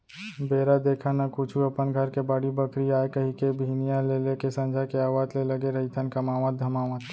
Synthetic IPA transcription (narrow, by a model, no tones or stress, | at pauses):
beːɾad̪eːkʰanakʊt͡ʃʰuəpənɡʱəɾkebaːɽibəkɾiaːekəɦikebʱiːnijãlelekesə̃nd͡ʒʱakeaːwaːd͡ʒleləɡeɾəɦit̪ʰənkəmaːʋə̃t̪̚d̪ʱəmaːʋət̪